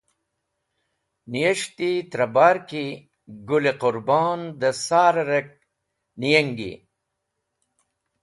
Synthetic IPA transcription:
nijɐʂt̪it̪ɾɐbaːɾki | ɡuleqʊɾbɑːnd̪əsaːɾɐɾek̚ | nijɐŋɡḭ

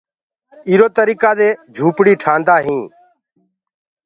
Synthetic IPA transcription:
iːɾoːt̪əɾiːkaːd̪eːd͡ʒʱuːpɽiːʈʰaːnd̪aːɦĩː

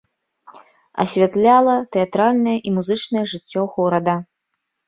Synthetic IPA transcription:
ɐ̰sʲvʲat̪lʲalˠɐt̪ɛat̪ɾalʲnɐjɛʔimuzɨt͡ʂnɐjɛʐɨt͡sʲːɔɣɔɾɐd̪ɐ

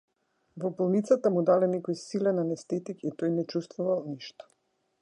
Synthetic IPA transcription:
vɔbɔlˠnit̪sat̪amud̪alɛnɛkɔjsilɛnanɛst̪ɛt̪ikit̪ɔjnɛt͡ʃust̪vuvalˠniʃt̪ɔ̥

